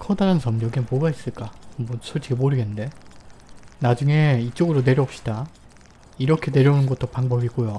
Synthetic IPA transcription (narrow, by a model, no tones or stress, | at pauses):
kʰʌdaɾansʌmd͡ʑʌɡenmoɡais͈ɯɭk͈amosʰot͡ɕ͈ʰimoɾɯɡende̞ | nad͡ʑuŋe̞it͡ɕ͈oɡɯɾone̞ɾjʌːp̚ɕ͈i̥d̥a | iɾʌkʰe̞ne̞ɾjʌunɯnɡʌt͈opaŋbʌbiɡojo